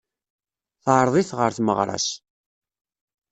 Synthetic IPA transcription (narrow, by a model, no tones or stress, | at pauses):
θʕɾˤðˤiθʁəɾθməʁɾˤɑ̰s